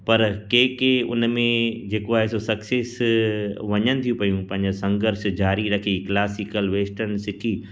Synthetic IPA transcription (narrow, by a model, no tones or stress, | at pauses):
pɐɾkeːkeʊ̰nmẽd͡ʑeːkoaːɦesosɐkseːs | ʋɐɲənɪ̆t̪ʰiũpɐjũpɐ̃ɦɪ̃ɲd͡ʑosɐ̃ŋɡəɾʃd͡ʑaːɾiɾɐkʰiklaːsikəlʋeːsʈəɾnsɪʈʰiː